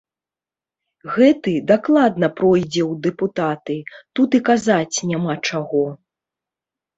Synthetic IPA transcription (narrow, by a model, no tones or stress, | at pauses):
ɣɛt̪ɨd̪aklˠad̪nɐpɾɔjd͡zʲɛwd̪ɛput̪at̪ɨt̪ut̪ikazat͡sʲnʲamat͡ʂaɣɔ